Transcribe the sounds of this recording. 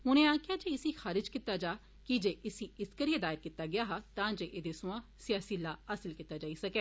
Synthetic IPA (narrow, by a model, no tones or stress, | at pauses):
ɦʊnẽːaːkjaːd͡ʒeːɪsiːxaːɾɪd͡ʒkit̪ːaːd͡ʒaː | kid͡ʒeːʔɪsiːɪskəɾijed̪aːɪɾkit̪ːaːɡɪjaːɦaːt̪ãːd͡ʒeːʔed̪eːsʊ̃ãːsɪjaːsiːlaːasɪlkit̪ːaːd͡ʒaːiːsəkɛː